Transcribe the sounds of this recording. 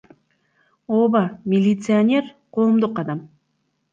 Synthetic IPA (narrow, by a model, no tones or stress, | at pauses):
obamʲɪlʲit̪sɨanʲe̞rqʰo̞ːmd̪uqɑd̪ɑm